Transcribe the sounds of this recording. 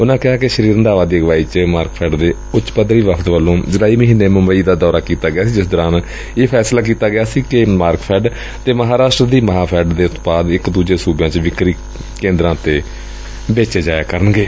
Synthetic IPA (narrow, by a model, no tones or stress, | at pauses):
ʊnãːkɪɦaːkɪʃəɾiːɾənd̪aːʋaːd̪iːəɡʋaːiːt͡ʃmaːɾkpʰɛːɖd̪eː | ʊtʃpəd̪ɾiːʋəpʰt̪ʋəlːõːd͡ʒəɽaːiːməɦiːnːeːməmbəiːd̪aːd̪ɔːɾaːkiːt̪aːɡɪaːsiːd͡ʒɪsd̪ɔːɾãːn | eːpʰɛːslaːk̬iːt̪aːɡɪjaːsiːkɪmaːɾkpʰɛːɖ | t̪eːməɦaːɾaːsʈɾəd̪iːməɦãːpʰɛːɖd̪eːʊt̪paːd̪ɪkd̪uːd͡ʒeːsuːbjãːt͡ʃʋɪkɾiː | kẽːnd̪ɾãːt̪eː | beːt͡ʃeːd͡ʒaːjaːkəɾənɡeː